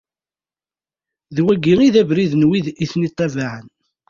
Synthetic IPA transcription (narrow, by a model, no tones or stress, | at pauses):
ðwæɡiŋiðævɾiðnwiðiθnit̪ˤːævaʕən